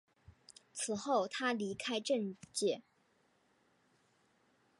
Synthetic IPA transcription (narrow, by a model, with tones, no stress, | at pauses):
t͡sʰɹ̩˨˩xo˥˩ʊt̪ʰa˥li˧˥kʰa˥ɪʈ͡ʂə˥˧ŋt͡ɕjɛ˥˩